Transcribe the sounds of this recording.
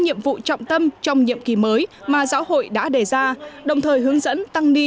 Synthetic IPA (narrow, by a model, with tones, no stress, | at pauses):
ɲḭ˧˨əmvṵ˧˨t͡ɕɔ̰˧˨wŋ͡mt̪ə˧mt͡ɕɔ˧wŋ͡mɲḭ˧˨əmki˧˩məː˨˦jmaː˨˩zaː˨˦who̰˧˨jɗa̰ː˧˥ɗe˨˩zaː˧ɗə˨˩wŋ͡mt̪ʰəː˨˩jhɨ˨˦əŋzə̰˧˥nt̪a˧ŋni˧